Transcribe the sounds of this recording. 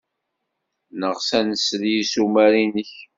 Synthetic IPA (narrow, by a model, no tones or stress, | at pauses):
nəʁsænəsljisumæɾinəç